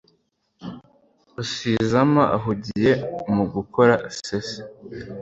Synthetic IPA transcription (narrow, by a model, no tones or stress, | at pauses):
usiːzamaʔa̰ɦuɟije̞muɡukʰoɾasese̥